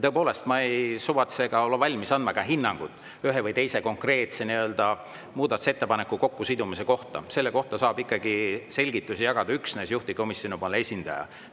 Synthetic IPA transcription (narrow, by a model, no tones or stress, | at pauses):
t̪ɤepo̞ːle̞st̪mɑejsuvɑt̪seɡ̥ɑo̞lːevɑlʲmisɑnd̪̥mɑkɑɦinːɑŋɡ̥ut̪ːˑ | yɦevɯjt̪e̞jseko̞ŋkˑre̞ːt̪se̞niø̞ld̪̥ɑ | muːd̪ɑt̪u̥se̞t̪ːe̞pɑnekːˑuko̞kːusid̪umise̞ko̞ht̪ɑ̰se̞lːe̞ko̞ht̪ɑsɑːb̥ikːˑɑɡ̥ise̞lʲɡ̥it̪ːˑusijɑɡ̥ɑd̪ɑyksnesjuht̪iko̞misjoniponlːe̞sʲind̪̥ɑ̰jɑ̰